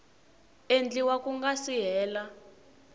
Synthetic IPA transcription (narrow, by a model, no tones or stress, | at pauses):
end͡ɮiwakuŋɡasiɦɛːla